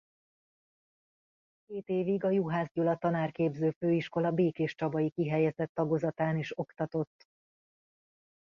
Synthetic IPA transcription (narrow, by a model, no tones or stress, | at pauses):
keːt̪eːviɡɒjuɦaːzɟulɒt̪ɒnaːrkeːbzøːføːiʃko̞lɒbeːkeːʃt͡ʃɒbɒjikiɦɛjɛzɛt̪ːɒɡozɒt̪aːniʃo̞kt̪ɒt̪o̞t̪ː